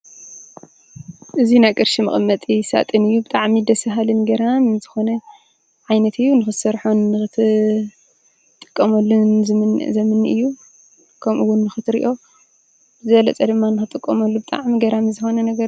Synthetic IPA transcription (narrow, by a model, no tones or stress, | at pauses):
ʔɨzinajkʼɨɾʃimɨ̰χʼɨmːɐt̪ʼisa̰t̪ʼɨnɨjːubɨt̪ʼaʕmid̪ɐsɐɦalɨnɡɐɾamɨnzɨxo̞nɐ | ʕajnɐt̪ʰɨjːunɨxɨsɐɾħonːɨɨ | t̪ʼːɨ̥kʼːɐmɐlːuz̰zɐmɨnːɨʔɨjːu | kʰɐmʔuwʊnːɨxɨt̪ʰɾḭʔo̞ | zɨbɐlɐ̰t͡sʼɐd̪ɨmːanːɨxɨt̪ʼɨkʼːɐmɐlːubɨt̪ʼa̰ʕmiɡɐɾamɨzɨxo̞nɐnɐɡɐɾ